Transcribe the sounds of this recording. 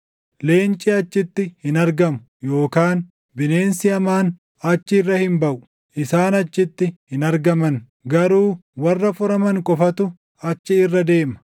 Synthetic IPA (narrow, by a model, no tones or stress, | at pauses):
le̞ːnt͡ʃʼɪɐt͡ʃːɪt̪ːɪhɪnɐɾɡɐmʊ̥ | jo̞ːkaːn | bɪne̞ːnsɪɐmaːn | ɐt͡ʃːɪrːɐhɪmbɐʔʊ̥ | ʔɪsaːnɐt͡ʃːɪt̪ːɪhɪnɐɾɡɐmɐn | ɡɐɾuːwɐrːɐfʊɾɐmɐŋkʼɔfɐt̪ʊ | ɐt͡ʃːɪɪrːɐd̪e̞ːmɐ̥